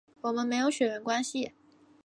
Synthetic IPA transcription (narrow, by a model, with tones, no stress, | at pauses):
wɔ˨˩mə˦nme˧˥ɪjo˧˥ʊɕɥɛ˨˩ɻə˧˥nkwa˥nɕi˨˩